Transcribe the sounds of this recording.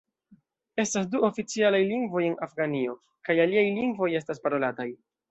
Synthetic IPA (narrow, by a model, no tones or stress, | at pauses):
e̞stas̬duo̞fit͡sialajliŋɡvo̞jenafɡanio̞ | kajaliajliŋɡvo̞je̞s̬taspaɾo̞lataj